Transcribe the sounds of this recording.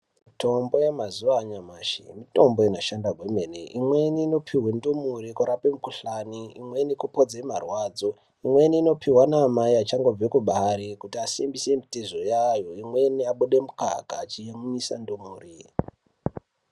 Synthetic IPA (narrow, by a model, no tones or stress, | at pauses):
mmito̞mbo̞jemazuʋaːɲamaːʃḭmito̞mbo̞inaʃandaɡʱwemenḛʔimweniːno̞pʰiɦwendomuɾikuɾapemukuɬaniimwe̞nikupo̞d͡zemarwaːd͡zo̞ | imwe̞niːno̞pʰiwanaːmaiat͡ʃaŋɡo̞b͡vwekuɓaɾekutiasimbise̞mitezo̞jajo̞imwe̞niaɓuɗemuka̰kaːt͡ʃijemuɲisa̰ndomuːri